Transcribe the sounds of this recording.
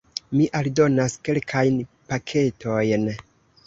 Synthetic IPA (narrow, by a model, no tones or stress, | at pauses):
miʔaldo̞naske̞lkʰajnpakʰe̞tʰo̞jn